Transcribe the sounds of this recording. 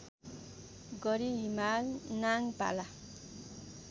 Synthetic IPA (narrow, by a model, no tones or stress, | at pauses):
ɡʌɾiɦimalnaŋpa̰la